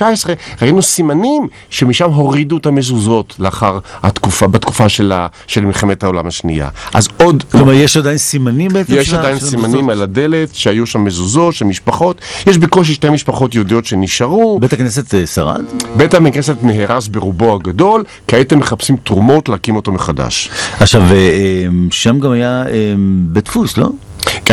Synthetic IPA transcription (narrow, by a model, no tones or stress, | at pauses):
aesʁeʁainusimanim | ʃemiʃamɦo̞ʁiduetamezuzo̞tleaχaʁha̰t̪kufabetku̥faʃela | ʃelmilχemethaolamaʃnḭa̰ʔa̰zo̞dkoomajeʃadajinsimanimbetjeʃadajinsimanimalade̞le̞tʃeajuʃamːezuzo̞tʃemiʃpaχo̞tjeʃbeko̞ʃ̬iʃtemiʃpaχo̞tjodio̞tʃeniʃaʁubetaknes̬et̪saʁa̰dbetamiknes̬etneɦeʁasbeʁubohaɡado̞l | kaet̪emːeχapsimtʁumo̞tleakimoto̞meχada̰ʃaχʃaveemʃamɡamajaembetfuslo̰ | ɡ